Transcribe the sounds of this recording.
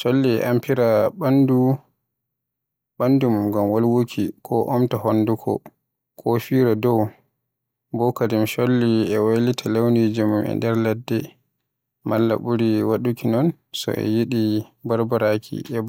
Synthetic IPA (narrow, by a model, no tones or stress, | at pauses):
ʃolːiɛ̰ʔampiɾaɓandu | ɓandumumɡamwalwokʰikʰɔʔɔmtahonːdukʰɔ̰ | kʰofiːɾadɔw | bɔkadimʃolːiɛwojlitʰalewnid͡ʒimumɛ̰ndɛɾlɛdːɛ | malːa̰buɾiwaɗukinɔn | sɔ̰ʔɛ̰jiɗibaɾbaɾakʰḭʔɛb